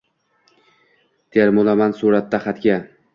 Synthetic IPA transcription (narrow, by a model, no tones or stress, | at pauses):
t̪ʰeɾmʊlˠamansuɾat̪ːaχat̪ɡʲa